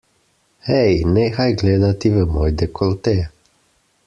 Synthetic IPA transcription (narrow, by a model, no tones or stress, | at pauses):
hɛjnɛxajɡleːd̪at̪iʋɛmɔjd̪ɛkʰɔlt̪ɛ